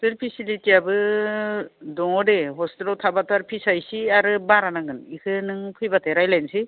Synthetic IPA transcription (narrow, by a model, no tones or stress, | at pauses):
tɯlpʰisilitiabɯ | dɔŋɔdeɦɔstilɔtʰabataɾpʰisajsiaɾɯbaɾanaŋɯnikʰɯnɯŋpʰɯjbatʰeɾajlajnsi